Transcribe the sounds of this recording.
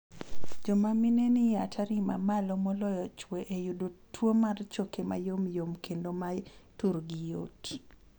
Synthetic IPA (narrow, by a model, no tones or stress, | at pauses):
d͡ʒɔmaminenɪjatʰaɾima̰malɔmɔlɔjɔt͡ʃweʔejudotwomart͡ʃokema̰jomjomkendomatuɾɡɪjoti̥